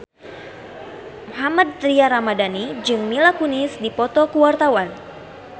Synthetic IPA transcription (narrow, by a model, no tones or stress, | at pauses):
muɦamad̪̚t̪ɾiaɾamadanid͡ʒɨŋmilakunɪsdipɔt̪ɔkuwart̪awan